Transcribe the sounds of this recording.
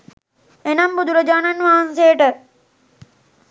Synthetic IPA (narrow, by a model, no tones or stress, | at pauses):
enɐmbud̪uləd͡ʒaːnanʋaɦanseːʈə